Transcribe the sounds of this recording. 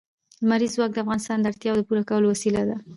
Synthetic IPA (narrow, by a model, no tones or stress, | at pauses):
maɾizwɑk̚d̪əafɣɑnɪst̪ɑnd̪əaɾt̪jɑwd̪əpuɾakawəlowasilad̪a